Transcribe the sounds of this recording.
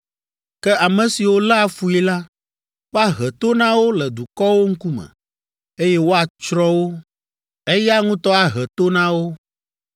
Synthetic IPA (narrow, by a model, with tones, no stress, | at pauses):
kɛ˦a˨mɛ̃˨si˨wo˦lɛ˦a˨fu˨˦i˦la˦ | fa˦ɦɛ˨t̪o˦nã˦wo˦lɛ˨d̪u˨kɔ˦wo˦ŋ̩˦ku˦mɛ̰̃˨ | e˦jɛ˦wo˦a˨t͡ʃɾɔ˦wo˦ | ɛ˦ja˦ŋũ˦t̪ɔ˦a˨ɦɛ˨t̪o˦nã˦wo˦